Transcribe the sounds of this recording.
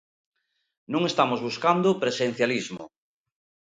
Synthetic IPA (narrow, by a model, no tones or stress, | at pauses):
nũŋest̪amozβuskand̪opɾesen̟θjalizmo̰